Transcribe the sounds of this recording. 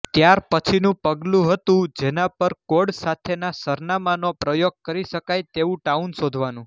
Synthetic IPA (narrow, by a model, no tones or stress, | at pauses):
t̪jaɾpət͡ʃʰinũpəɡlũɦət̪ũd͡ʒenapəɾkoɽsat̪ʰenasəɾnamanopɾəjoɡ̚kəɾiʃəkajt̪eʋũʈaunsod̪ʱʋanũ